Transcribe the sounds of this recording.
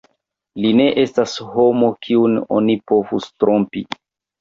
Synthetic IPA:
line̞ʔe̞stasho̞mokʰiuno̞̰nipo̞vustɾompi

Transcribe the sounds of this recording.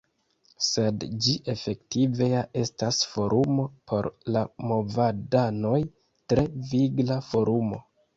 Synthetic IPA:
se̞dd͡ʒiʔe̞fe̞ktive̞jaʔe̞stasfo̞ɾʔumo̞pʰo̞̰ɾlamo̞vadano̞j | tɾe̞viɡlafo̞ɾumo̞̰

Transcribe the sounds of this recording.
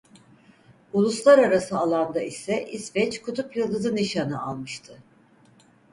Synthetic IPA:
ulˠuslˠaɾaɾasɯalˠand̪aisɛʔisvɛt͡ʃkʰut̪ʰupjɯlˠd̪ɯzɯniʃanɯa̰lˠmɯʃt̪ʰɯ

